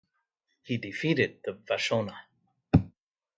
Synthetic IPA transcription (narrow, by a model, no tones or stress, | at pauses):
hidɨfiɾɪd̪̚ðɨvaʃoʊnə